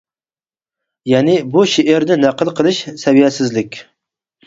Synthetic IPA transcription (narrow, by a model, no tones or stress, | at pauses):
jɛnɪbuʃeʔeɾnɪnæqəlˠqʰəlˠɨʃsɛvijɛsɪzlɪkʲ